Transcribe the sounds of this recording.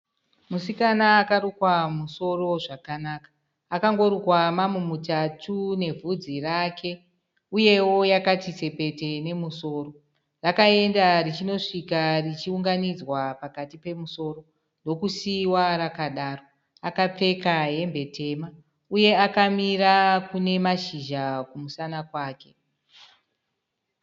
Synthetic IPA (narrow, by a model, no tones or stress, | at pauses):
musikanaːkaɾukwamuso̞ro̞ʐakanaːkḁː | kaŋɡo̞ɾukwamamumutatʰune̞vʱud͡zirakʰe̞ | uje̞wo̞jakatise̞pe̞te̞ne̞muso̞ːro̞ | rakae̞ndarit͡ʃino̞ʂikarit͡ʃiuŋɡanid͡zwapakatipe̞muso̞ːro̞ | ndo̞kusiwaɾakaɗaːro̞ | akap͡fe̞kaɦe̞mbe̞te̞ma | uje̞akamirakune̞maʃiʒakumusanakwaːke̞̥